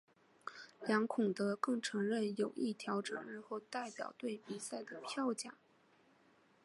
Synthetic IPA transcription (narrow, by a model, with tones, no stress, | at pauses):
ljɑ˧˥ŋkʰʊ˨˩ŋd̪ə˦kɤ˥˩ŋʈ͡ʂʰɤ˧˥ŋɻə˥˩njo˨˩ʊʔi˥˩t̪ʰjɑ˧˥ʊʈ͡ʂɤ̰˨˩ŋɻɻ̩˥˧xo˥˧ʊt̪a˥˩ɪpjɑ̰˨˩ʊt̪we˥˩ɪpi˨˩sa˥˩ɪd̪ə˩pʰjɑ˥˧ʊt͡ɕja˨˩˦